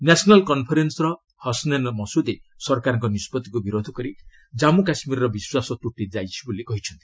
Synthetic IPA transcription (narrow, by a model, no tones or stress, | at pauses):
nasɔnɔlkɔnpʰɔɾensɔɾɔ | hɔsnenmɔsud̪esɔɾkaɾɔŋkɔnispɔt̪ikubiɾod̪ʱɔkɔɾi | d͡ʒamukasmiɾɔɾɔbiswasɔt̪uʈːid͡ʒajt͡ʃʰibolikɔɦit͡ʃʰɔnt̪i̥